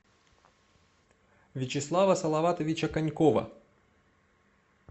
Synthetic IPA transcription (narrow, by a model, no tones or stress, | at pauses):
vʲɪt͡ɕɪslˠavɐsɐlˠɐvat̪əvʲɪt͡ɕɐkɐnʲkovɐ̰